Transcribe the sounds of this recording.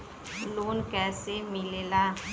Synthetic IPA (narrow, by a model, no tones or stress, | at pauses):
loːnkɛːsemɪlela